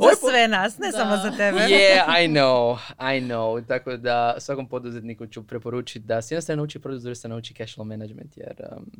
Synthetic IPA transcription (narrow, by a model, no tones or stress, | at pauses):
osʋenasnesamozat̪ebejɛajnowajnowt̪akod̪ausʋako̞mpod̪uzet̪nikut͡ʃupɾepoɾuːt͡ʃit̪̚ʲd̪asjd̪nost̪ɾanauːt͡ʃipɾod̪uzoɾisenauːt͡ʃikɛʃlˠomenad͡ʒmḛnt̪jḛɾ